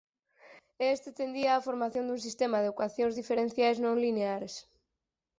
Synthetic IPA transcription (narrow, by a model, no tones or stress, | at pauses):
est̪et̪end̪iaːfoɾmaθjõnd̪uŋs̬ist̪emaðeokwaθjõŋzðifeɾen̟θjajznõŋlineaɾes